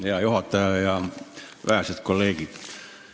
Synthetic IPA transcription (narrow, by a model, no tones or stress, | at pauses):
jɑjohɑt̪ːɑjɑjɑ | ʋææset̪kolːeːkit̪